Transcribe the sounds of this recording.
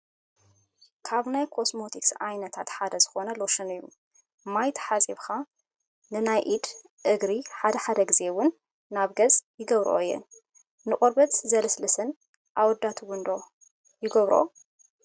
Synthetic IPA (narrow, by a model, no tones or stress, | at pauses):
kʰaβnajkʰo̞smo̞t̪ʰiksʔajnɐt̪ʰat̪ħad̪ɐzɨxo̞nɐloʃɨnɨjːu | majt̪ʰħat͡sʼiβxa | nɨnajʔid̪ | ʔɨɡɾiħad̪ɐħad̪ɐɡɨze̞wʊnː | aβɡɐt͡sʼjɪɡɐβɾʔo̰ɨjːɛ̰n | nɨχʼoɾbɐt̪zɐlɐslɨsɨn | ʔawɔd̪ːat̪ʰuwʊnd̪o̞ | jɪɡɐβɾʔo̰